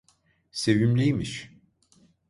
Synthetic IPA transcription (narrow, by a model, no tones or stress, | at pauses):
sevimlʲijmiʃ